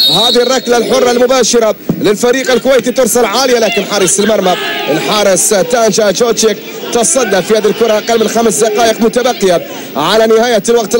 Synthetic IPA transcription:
haːðiɪrˤːɑklalħʊrˤːɑlmʊbaːʃɪɾˤalɪlfaɾiːqalkʊwejːt̪it̪ɪɾsalʕaːlɪjalaːkɪnħɑɾˤɨsˤɪlmɑɾˤmawɪnħɑɾˤɪst̪ːaːnd͡ʒad͡ʒoːt͡ʃek | t̪ɑsˤɑd̪ːafihaːðilkʊɾˤɑʔaqalmɪnxamsd̪ɪqɑːʔɪqmʊt̪abaqːɪja | ʕalanɪhaːjalwaqt̪

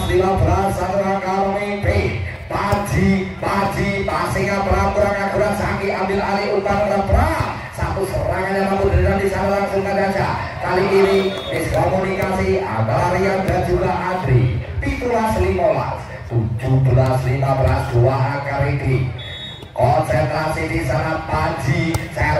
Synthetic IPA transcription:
slimabəɾarsakuɾakalmepɪh | pḁd͡ʒ̥ipḁd͡ʒ̥ipasikabəɾakuɾaŋakuɾasakiʔambɪlaliut̪aɾut̪ab̥əɾa | sapʊsəɾaŋaamap̪ud̪ɾilandisaɾaɾaŋsuŋt̪anḁd͡ʒa | kaliʔiɾi | ɪskɔmunikasia̰nalaɾijad̪ɾḁd͡ʒuɡaad̪ɾipit̪ulaslimola̰s | t̪u̥d͡ʒ̥ub̥əlaslimabəɾasd̪̥uwaɦakaɾidi | kɔnsɛnt̪ɾasit̪isaŋapḁd͡ʒ̥isa

